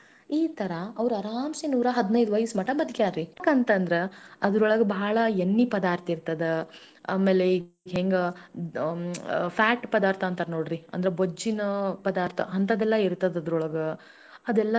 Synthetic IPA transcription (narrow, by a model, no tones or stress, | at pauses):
iːt̪ɐɾɐɐʋɐɾuɐɾaːmsinuːɾɐɦɐd̪inɐjd̪uʋɐjsmɐʈɐbɐd̪ɡjaːɾɾikant̪ɐnd̪ɐɾeɐd̪ɐɾɔɭɐɡɐbɐɭɐenːipɐd̪aːɾt̪ɐiɾt̪ɐd̪e | a̰ːmeːlei | ɦeːŋɡe | pʰaːʈpɐd̪aːɾt̪ʰɐːnt̪ɐɾnoːɽɾiɐ̰nd̪ɐɾebod͡ʒːinɐpɐd̪aːɾt̪ʰɐ̰ɐnt̪ɐd̪ɛlːɐiɾt̪ɐd̪ɐd̪ɾɔɭɐɡɐ | ɐd̪ɛlːɐ